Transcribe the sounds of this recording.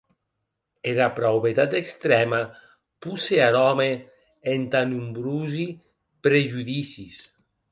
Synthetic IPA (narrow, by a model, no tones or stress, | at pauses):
eɾapɾawβet̪at̪ekst̪ɾɛma | puseaɾɔme | ent̪anumbɾuzi | pɾeʒuðisis